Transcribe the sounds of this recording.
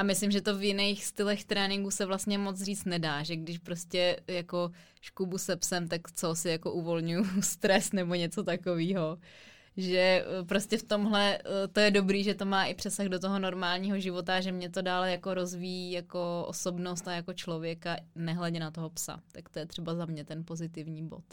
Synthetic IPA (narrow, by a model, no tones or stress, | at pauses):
ʔamɪslɪmʒɛt̪ovjɪnejxst̪ɪlɛxt̪ɾɛːnɪŋɡusɛvlast̪ɲɛmot͡sriːt͡st̪nɛdaːʒɛɡdɪʃpɾoscɛjako̞ | ʃkubusɛpsɛmt̪akt͡sosɪjako̞ʔuvo̞lɲujust̪ɾɛsnɛboɲɛt͡so̞t̪akoviːɦo | ʒɛpɾoscɛft̪o̞mɦlɛt̪ojɛdobɾiːʒɛt̪o̞maːʔɪpr̝̥ɛsaxdot̪oɦono̞ɾmaːlɲiːɦoʒɪvot̪aʒɛmɲɛt̪o̞daːlɛjako̞ɾo̞zvijijako̞ʔo̰so̞bnost̪ajakot͡ʃlo̞vjɛkanɛɦlɛɟɛnat̪oɦo̞psa̰t̪akt̪ojɛt̪r̥ɛbazamɲɛt̪ɛnpo̞zɪt̪ɪvɲiːbo̞̰t̪